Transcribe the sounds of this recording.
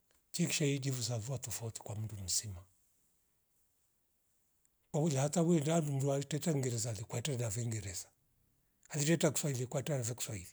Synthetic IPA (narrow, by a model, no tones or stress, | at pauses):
t͡ʃiki̥ʃaid͡ʒivuzavuatɔfauti̥kwam̩dum̩sima | kwakud͡ʒahatawindadum̩dualitɛtaŋɡɛɾɛzaːlikwaɛtaɾanavɛŋɡɛɾɛza | alitɛtaku̥swailikwaitaanavɛku̥swahili